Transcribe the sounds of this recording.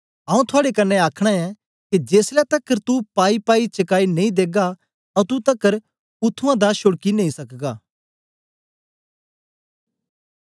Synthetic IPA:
ɦãːũt̪ʰʊaːɽekɐnːeaːkʰɽ̃aɛ | ked͡ʒeːslɛt̪ɐkːəɾt̪upaːipaːit͡ʃɐkaːinẽĩd̪eːɡa | ɐũt̪ut̪ɐkːəɾ | ʊt̪ʰːuãd̪aʃʊɽkinẽĩsɐkɡaː

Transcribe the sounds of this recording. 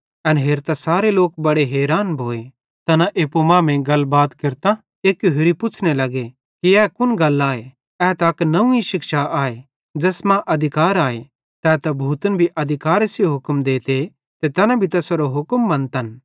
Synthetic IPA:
ɐnɦeːɾt̪ɐsaːɾeloːk̚bɐɽeɦɛːɾaːnbʱoːe | t̪ɐnãʔeːpomãːmẽɡɐlbaːt̪kɪɾt̪a | eːkjoɦeɾipʊt͡ʃʰnelɐɡe | kiɛːkʊnɡɐlaːe | ɛːt̪aɐknɐũiʃɪkʃaʔaːe | d͡ʒɛːsmãʔɐd̪ʱɪkaːɾaːe | t̪ɛːt̪ɐbʱuːt̪ənbʱiʔɐd̪ʱɪkaːɾesjoɦʊkmd̪eːt̪e | t̪et̪ɐnãbʱit̪ɐsɾoɦʊkəmbɐ̃nt̪ɐn

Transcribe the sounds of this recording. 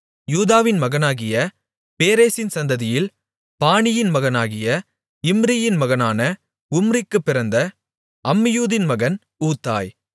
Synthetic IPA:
juːðaːʋɪnmɐɣɐnaːɣɪjɐ | peːɾeːsɪnsɐnd̪ɐðɪjɪl | paːnɪjɪnmɐɣɐnaːɣɪjɐ | ɪmɾɪjɪnmɐɣɐnaːnɐ | ʊmɾɪkːɯpːɪɾɐnd̪ɐ | ʔɐmːɪjuːðɪnmɐɣɐn | uːt̪ːa̰ːj

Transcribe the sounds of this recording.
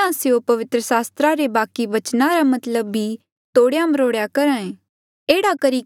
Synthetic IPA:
ãseopɐʋɪt̪ɾəsaːst̪ɾaɾebaːkiʋɐt͡ʃnaɾamɐt̪ləbːi | t̪oːɽjãməɾoːɽjakɐɾãːẽ | eːɽakɐɾi

